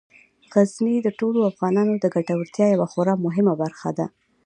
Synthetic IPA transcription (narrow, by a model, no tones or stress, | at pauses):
ɣaznid̪əʈoloafɣɑnɑnod̪əɡaʈawəɾt̪jɑjawaxoɾɑmʊɦɪmabaɾxa̰d̪a